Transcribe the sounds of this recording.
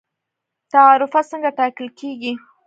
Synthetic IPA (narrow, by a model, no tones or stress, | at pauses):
t̪aɑɾʊfasəŋɡaʈɑkəlkʰeɡi